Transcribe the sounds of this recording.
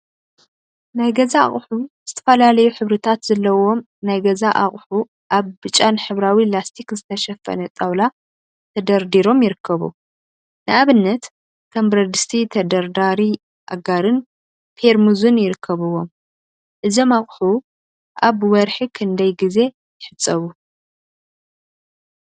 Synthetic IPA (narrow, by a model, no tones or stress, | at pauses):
najɡɐzaa̰χʼħuz̥ɨt̪ʰɐ̥fɐlalɐjuħɨβɾɨt̪ʰat̪z̥ɐlːɐwo̞m | najɡɐzaʔaχʼħu | ʔaβbɨt͡ʃʼanħɨβɾawilast̪ʰikzɨt̪ʰɐʃɐfɐ̰nɐt̪ʼawla | t̪ʰɐd̪ɐɾd̪iɾo̞mjɪɾɨkʰːɐβṵ | nɨʔaβɨnːɐt̪ | kʰɐmbɾɐd̪ɨst̪ʰit̪ʰɐd̪ɐɾd̪aɾi | ʔa̰ɡaɾɨn | pʰeɾmuzunjɪɾɨkʰːɐβɨwo̞m | ʔɨzomaχʼħu | ʔaβwɐɾħikʰɨnd̪ɐjɡize̞ | jɪħɨt͡sʼːɐβu